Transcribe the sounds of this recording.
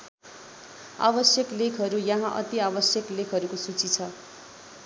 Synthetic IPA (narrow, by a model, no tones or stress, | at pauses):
a̰bʌsjʌklekʰɦʌɾujʌ̃ɦãʔʌ̰t̪iabʌsjʌklekʰɦʌɾukosut͡sit͡sʰʌ